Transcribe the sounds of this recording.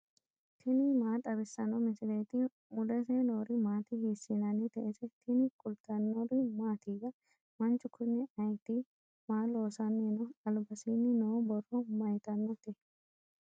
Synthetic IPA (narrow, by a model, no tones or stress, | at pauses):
t̪ʰɪnɪmaːt̪ʼɐbɪsːɐnɔmɪsɪlejt̪ɪ | mʊd̪ɛsenoːɾɪmaːt̪ɪhiːsːinɐnɪt̪ɛʔesɛt̪ʰɪnɪkʼʊlt̪ɐnːɔɾɪmaːt̪iɡɐ | mɐnt͡ʃʊkʰʊnːɛɐjt̪i | maːloːsɐnːenɔɐlbɐsinːɪnoːbɔrɔmɐjt̪ɐnːɔt̪ɪ